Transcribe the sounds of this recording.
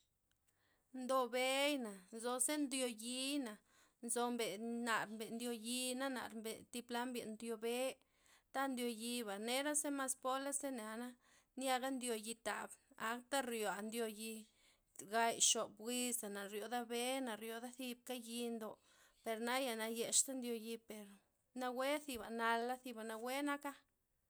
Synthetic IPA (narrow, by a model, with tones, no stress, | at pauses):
nd̪o˧be˦jna˨nzo˧se˦nd̪jo˧ji˧na˨ | nzo˧mbe˨na˨ɾmbe˨nd̪jo˧ji˧na˦na̰˨ɾmbe˨t̪i˧pla˦mbje˨ʔnd̪jo˧be˦ | t̪a˦nd̪jo˧ji˧ba˨ne˦ɾa˦se˦ma˧spo˦la˦se˦na˨na˦ | nja˧ɡa˦nd̪jo˧ji˧t̪a̰˨ba˦kt̪a˦ɾjo˨a˨nd̪jo˧ji˧ | ɡa˧jʃo˨bwi˧sa˨na˨ɾjo˨d̪a˦be˦na˨ɾjo˧d̪a˦θi˧b̚ka˦ji˧nd̪o˧˨ | pe˨ɾna˦ja˨na˧je˧ʃt̪a˦nd̪jo˧ji˧pe˨ɾ | na˧we˦θi˧ba˨na˧lːa˦θi˧ba˨na˧we˦na˦ka˦